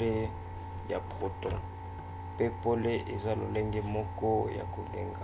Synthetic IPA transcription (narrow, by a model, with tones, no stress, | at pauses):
le˦ | ja˨pχo˨tɔ̃˨ | pe˦po˦le˦ʔe˨za˦lo̰˨le˦ŋɡɛ˦mɔ˦kɔ˦ja̰˨ko˨ŋɡɛ˨ŋɡa